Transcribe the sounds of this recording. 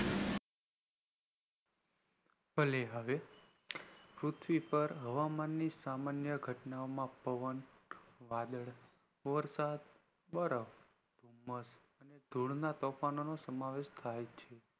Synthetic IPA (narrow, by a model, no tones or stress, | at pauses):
pəleɦəʋe | pɾut̪ʰʋipəɾɦəʋamanːisamanjəɡʱəʈnaomãpəʋənʋad̪əɭ | ʋəɾsad̪̚ | bəɾəf | d̪̥ʱumːəs | əned̪ʱuɽnat̪ɔfanonosəmaʋeʃt̪ʰajt͡ʃʰe